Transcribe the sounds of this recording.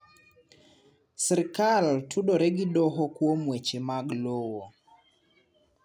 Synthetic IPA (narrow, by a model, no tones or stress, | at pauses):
sɛɾkaltʰuɗoɾɛɡɪdɔɦɔkwomwet͡ʃemaɡlowo